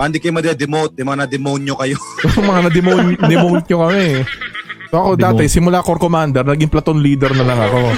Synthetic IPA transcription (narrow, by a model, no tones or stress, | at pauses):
mɐɐnd̪ikɐjomɐd̪ɛd̪ɛmowt̪̚ːɪmɐŋanɐd̪ɛmownjokɐjojʊjʊŋmɐŋanɐd̪ɛmond̪ɛmowt̪̚ɲokɐmɛ | soʔɐko̞d̪aːt̪ɛsɪmʊlakoɾkomand̪ɛɾnɐɡiŋplɐt̪onliːd̪ɛɾnɐlɐŋɐko̞